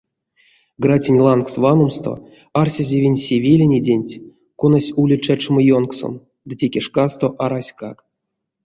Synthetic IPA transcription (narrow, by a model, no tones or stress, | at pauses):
ɡratʲinʲlˠanksvanˠomst̪o̰ | arsʲazʲevʲinʲsʲevʲelʲenʲedʲenʲtʲ | konasʲulʲit͡ʃæt͡ʃɨməjonkso̰m | d̪ɨtʲekʲeʂkast̪o̞ʔaɾasʲkak